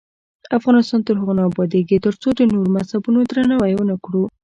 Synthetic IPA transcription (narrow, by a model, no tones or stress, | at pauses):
afɣɑnɪst̪ɑnt̪əɾɦəɣonɑbɑd̪eɡet̪əɾt͡sod̪ənoɾomashabunod̪ɾanawajwənakɽu